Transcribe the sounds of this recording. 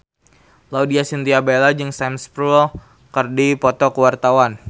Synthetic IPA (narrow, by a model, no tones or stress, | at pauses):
laudiasint̪iabelad͡ʒɨŋsɛmspɾul | kərdipɔt̪ɔkəwart̪awan